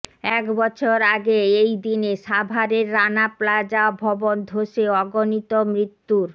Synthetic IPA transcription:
ɛkbɔt͡ɕʰoɾaɡeejd̪ineʃabʱaɾeɾːanaplad͡ʑaɔbʱɔbond̪ʱoʃeɔɡonit̪omɾit̪ːuɾ

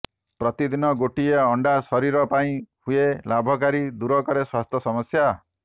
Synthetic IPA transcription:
pɾɔt̪id̪inɔɡoʈieɔɳɖasɔɾiɾɔpaĩhuelabʱɔk̬aɾid̪uɾɔkɔɾeswast̪ʰjɔsɔmɔsja

